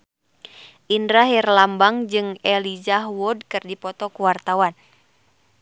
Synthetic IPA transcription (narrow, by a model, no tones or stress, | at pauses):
ʔindɾaɦirlambaŋd͡ʒɨŋɛlid͡ʒaɦwɔd̚kɨrdipɔt̪ɔkuwart̪awan